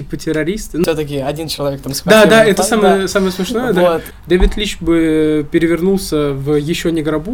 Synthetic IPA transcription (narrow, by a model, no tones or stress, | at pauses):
ipətʲɪɾɐɾʲist̪ɨsʲot̪əkʲɪɐdʲint͡ɕɪlˠɐvʲekt̪amsd̪ad̪aɛt̪əsaməjəəsaməjəsmʲɪʂno̞jəd̪a | d̪avʲɪt̪lʲit͡ɕbɨpʲɪɾʲɪvʲɪrnulˠsʲəvjɪɕːonʲɪɡɾɐbu